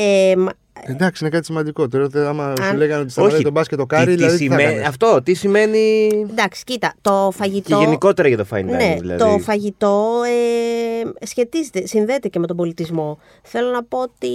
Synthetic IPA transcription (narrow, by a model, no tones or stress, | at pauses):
em | d̪ɐksiinekɐt̪isimɐnd̪iko̞t̪eɾoot̪eɐmɐleɣɐnot̪isoçɾit̪obɐsket̪okɐɾiðilɐððisiθɐmɐft̪o̞t̪isime̞nid̪ɐksi̥cit̪ɐt̪o̞fɐʝit̪oʝeniko̞t̪e̞ɾɐʝɐt̪o̞fɐ̰inneðḭlɐ̰ðt̪o̞fɐʝit̪o̞e | sçe̞t̪izet̪e̞sinðe̞ːt̪e̞ceme̞t̪o̞bo̞lit̪izmo̞ | θe̞lo̞nɐpo̞ot̪i